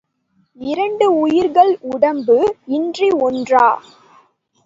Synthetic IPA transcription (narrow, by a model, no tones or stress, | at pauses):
ɪɾɐɳɖɯʊjɪɾɣɐɭʊɽɐmbɯɪndriɔndraː